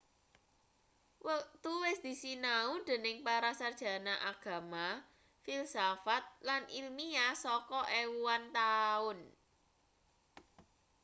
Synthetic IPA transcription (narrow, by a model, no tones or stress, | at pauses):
wət̪uwɪsd̪̥i̤sinaud̪̥e̤nɪŋpaɾasard̥ʒ̥ä̤naʔaɡ̥ä̤ma | filsafat̪̚lanʔilmiasɔkɔʔɛwuant̪aʊn